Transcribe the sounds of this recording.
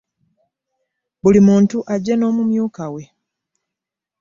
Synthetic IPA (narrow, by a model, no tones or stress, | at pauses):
bulimuːntuʔaɟːeno̞ːmumjuːkawe̞